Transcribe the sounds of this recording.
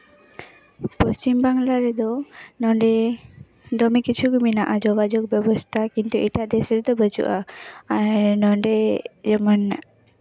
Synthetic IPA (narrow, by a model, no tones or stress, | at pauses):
pəst͡ʃimbaŋlaɾɛd̪ɔnɔɳɖɛ | d̪ɔmikit͡ʃʰukuminaʔad͡ʒɔɡad͡ʒɔk̚bɛbɔst̪ʰakint̪uʔiʈaʔd̪ɛsɛɾd̪ɔbət͡ʃṵʔa | nɔɳɖɛd͡ʒɛmɔn